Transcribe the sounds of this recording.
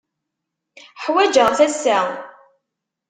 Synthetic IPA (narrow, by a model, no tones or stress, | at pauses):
ħwæd͡ʒəʁθæsːæ